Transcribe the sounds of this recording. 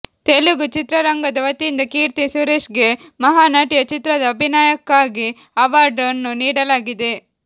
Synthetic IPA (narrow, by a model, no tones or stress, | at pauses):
t̪eluɡut͡ʃit̪ɾɐɾɐŋɡɐd̪ɐʋɐt̪ːind̪ɐkiːɾt̪isuɾeːʃɡe̞mɐɦaːnaːʈijɐt͡ʃit̪ɾɐd̪ɐːbʱinaːjɐkːaːɡi | ɐʋaːɾɖɐnːuniːɽɐlaːɡid̪e̞